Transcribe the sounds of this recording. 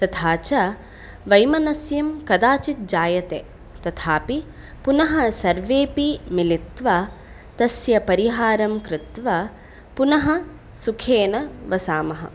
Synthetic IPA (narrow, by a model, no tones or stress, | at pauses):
t̪ɐt̪ʰaːt͡ʃɐ | ʋɐjmɐnɐsjɐmkɐd̪aːt͡ʃit̪̚d͡ʒaːjɐt̪eː | t̪ɐt̪ʰaːpi | punɐɦɐsɐɾʋeːpimilit̪ʋɐ | t̪ɐsjɐpɐɾiɦaːɾɐmkɾɪt̪ʋɐ | punɐɦɐ | sukʰeːnɐʋɐsaːmɐɦɐ̰